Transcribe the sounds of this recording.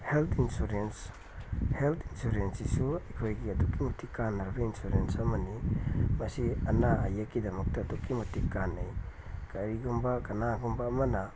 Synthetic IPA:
heltʰinsuɾens | helt̪ʰinsuɾensisuɐjkʰojɡiɐdukːimutʰikːanːɐɾbɐinsuɾensɐmɐnimɐsiɐnaɐ̰jakːidɐmɐk̚tɐːdukːimutikːanːɐj | kɐɾiɡumbɐkɐnaɡumbɐːmɐnɐ

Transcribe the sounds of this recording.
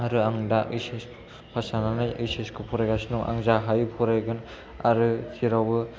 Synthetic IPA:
ɦaɾɯaŋdaɯjses | pʰasananajɯjseskʰɯpʰɔɾajɡasinuŋʔa̰ŋzaɦajpʰɔɾajɡɯn | a̰ɾɯtʰiɾawɯ

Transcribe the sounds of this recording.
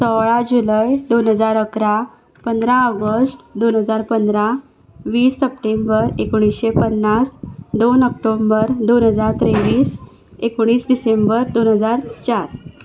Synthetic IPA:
sɔʋɭad͡ʑuləjd̪onɦəd͡zaɾəkɾa | pənd̪ɾaəɡəsʈd̪onɦəd͡zaɾpənd̪ɾa | ʋiːsːəpʈembəɾekoɽ̃isɕepənːasd̪onək̚ʈombəɾd̪onɦəd͡zaɾt̪ɾeʋiːs | ekoɽ̃iːsɖisembəɾd̪onɦəd͡zaɾt͡ɕaɾ

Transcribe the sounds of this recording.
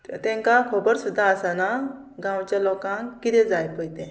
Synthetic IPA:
t̪ɛ̃ŋkakʰobəɾsud̪ʱːaəsana | ɡãwt͡ɕjalɔkãŋkːit̪ɛd͡zajpəjt̪ẽ

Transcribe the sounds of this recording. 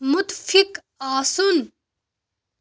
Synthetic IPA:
mʊt̪fik | aːsun

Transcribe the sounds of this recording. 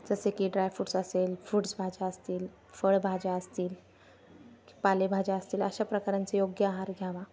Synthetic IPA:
d͡zəsekiɖɾajfuːʈsəselfɾuːʈsbʱad͡ʑaəst̪iːl | fəɽbʱad͡ʑaəst̪iːl | ki̥palebʱad͡ʑaəst̪iːlə̰ɕapɾəkaɾãnt͡sejoɡjəaɦaɾɡʱjaʋa

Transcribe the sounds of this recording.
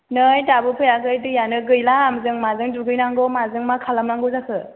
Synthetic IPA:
nɯjtabɯpʰɯjaɡɯjtɯjanɯɡɯjlamzɯŋmazɯŋduɡɯjnaŋɡɔmazɯŋmakʰalamnaŋɡɯzakʰɯ

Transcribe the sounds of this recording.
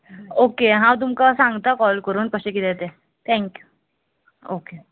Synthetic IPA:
okeɦãwt̪̬umkasãŋɡt̪akɔlkəɾuːnkəɕẽkiːd̪ɛt̪e | t̪ʰɛ̃ŋkju | oke

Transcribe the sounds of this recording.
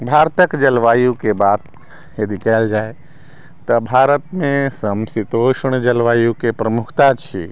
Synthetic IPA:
bʱaɾt̪əkd͡ʒəlʋajukebat̪ | jəd̪ʱikɛld͡ʒae | t̪əbʱaɾət̪mẽsəmsit̪oʃəɽ̃d͡ʒəlʋajukepɾəmukʰt̪at͡ʃʰḭ

